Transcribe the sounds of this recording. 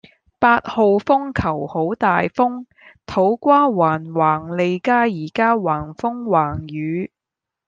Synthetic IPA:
paː˧t̚ho˨wfʊ˥ŋkʰɐ˨˩who˨˥wt̪aː˨jfʊ˥ŋ | t̪ʰo˨˥wkʷaː˥waː˨˩nwaː˨˩ŋle˨˧jkaː˥jiː˨˩kaː˥waː˨˩nfʊ˥ŋwaː˨˩ŋjyː˨˧

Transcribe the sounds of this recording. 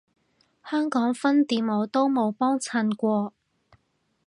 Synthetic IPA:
hœː˥ŋkɔː˨˥ŋfɐ˥nt̪iː˨˧nmo˨˧wt̪o˥wmo˨˧wpɔː˥ŋt͡sʰɐ˧nkʷɔː˧

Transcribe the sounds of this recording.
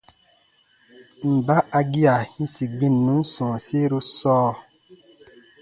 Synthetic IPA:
m̩˨ba˦ʔa˧ɡi˦a˨hĩ˦si˨ɡ͡bĩ˦˨nːũ˨˦sɔ̃ː˨se˦ɾo˦sɔː˦˨

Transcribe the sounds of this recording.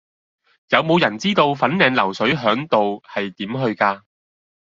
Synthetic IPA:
jɐ˨˧wmo˨˧wjɐ˨˩nt͡siː˥t̪o˧wfɐ˨˥nnɛː˧ŋlɐ˨˩wsɵ˨˥ɥɦœː˨˥ŋt̪o˨whɐ˨jt̪iː˨˥mɦɵ˧ɥkaː˧

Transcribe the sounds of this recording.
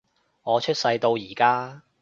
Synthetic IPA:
ŋɔː˨˧t͡ʃʰɵ˥t̚sɐ˧jt̪o˧wjiː˨˩kaː˥

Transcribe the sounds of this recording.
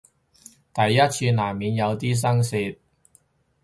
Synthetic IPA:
t̪ɐ˨jːɐ˥t̚t͡sʰiː˧naː˨˩mmiː˨˧njɐ˨˧wt̪iː˥s̬ɐ˥ŋsiː˧t̚

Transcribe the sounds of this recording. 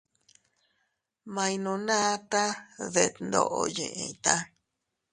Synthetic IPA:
mã˧j̃nũ˨nã˦t̪a˦ðe˨t̪nd̪o̰˧˨ʔo˧jḛ̃˨ʔḛ̃˧t̪a˦

